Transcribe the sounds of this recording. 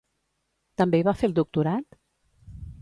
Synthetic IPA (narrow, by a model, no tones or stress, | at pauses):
t̪əmbeiβafelˠd̪uk̚t̪uɾat̪